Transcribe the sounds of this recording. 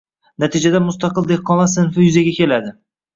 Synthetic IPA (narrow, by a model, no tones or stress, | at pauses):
nat̪ʰid͡ʒad̪amʊst̪ɑqɨlˠd̪ehqːɒmasɪnfɪjʊzaɡʲakʲʰe̞lad̪ɪ